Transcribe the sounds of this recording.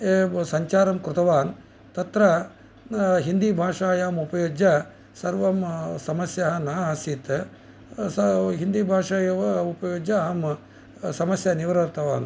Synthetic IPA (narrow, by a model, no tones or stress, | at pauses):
esɐɲt͡ʃaːɾɐmkɾʊt̪ɐʋaːn | t̪ɐt̪ɾɐ | ɦind̪ibʱaːʂaːjaːmupɐjoːd͡ʒɐ | sɐɾʋɐmsɐmɐsjɐɦɐnɐɐsit̪ | sɐɦind̪ibʱaːʂaːjɐʋɐupɐjoːd͡ʒɐɐm | sɐmɐsjɐniʋɐɾɐɾt̪ʰɐʋa̰ːn